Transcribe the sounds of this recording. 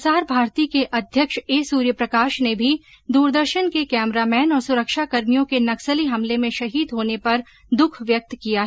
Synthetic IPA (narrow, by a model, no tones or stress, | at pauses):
saːɾbʱaːɾt̪iːkeʔɐd̪ʱjəkʃeːsuːɾjəpɾɐkaːʃnebʱi | d̪uːɾd̪əɾʃənkekɛːmɾamɛːnɔːɾsʊɾəkʃakɐɾmijõkenɐksəliɦɐmlemẽʃɐɦiːd̪ɦoːnepɐɾ | d̪ʊkʰʋjɐk̚t̪kija